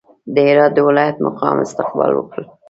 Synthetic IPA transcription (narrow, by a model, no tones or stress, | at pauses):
d̪əɪɾɑd̪̚ːəwɪlɑjat̪maqɑmɪ̰st̪ɪq̚bɑ̰lwəkəl